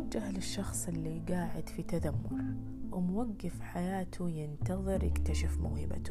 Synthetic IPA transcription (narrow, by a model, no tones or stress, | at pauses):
d͡ʒːahlɪʃːɑxsˤɪlːiɡaːʕɪd̪fit̪ad̪amːʊɾ | wɪmwaɡːɪfħajaːt̪ʰujɪnt̪ɑðˤɨɾjɪ̰kt̪aʃɪfmʊ̰ːhɪba̰t̪